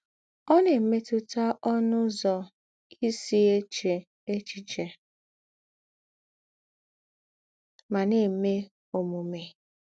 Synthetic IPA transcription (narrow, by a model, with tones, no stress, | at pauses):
ɔ˦ne˨m̩˦me˦tʊ˦ta˦ʔɔ˦nʊ˦zɔ˨ | i˦si˦e˦t͡ʃe˨ | e˦t͡ʃi˨t͡ʃe˨ | ma˨ne˨me˦ | o˨mu˨me˨